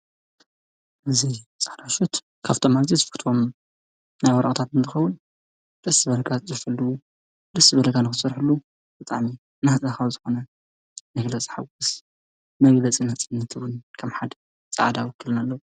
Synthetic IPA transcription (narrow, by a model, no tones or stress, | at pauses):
ʔɨzit͡sʼad̪aʃut̪ | kʰaft̪ʰomalzizɨfɨkt̪ʰom | najwɐɾɐʔʼt̪ʰat̪ɨnt̪ʰɨxɐwʊn | d̪̥ɨsɨbɐlɐɡat̪zɨfɐlːuwu | d̪ɨsɨbɐlɐɡanɨxɨsɐɾħɨlːu | b̥ɨt̪ʼa̰ʕmi | naht͡sʼaxawzɨxo̞nɐ | mɐɡlɐt͡sʼħaɡʊs | mɐɡlɐt͡sʼinɐt͡sʼnːɐt̪ʰɨwʊnkʰɐmħad̪ | t͡sʼa̰ʕd̪awɔkʰːɨlɨnalːɐwu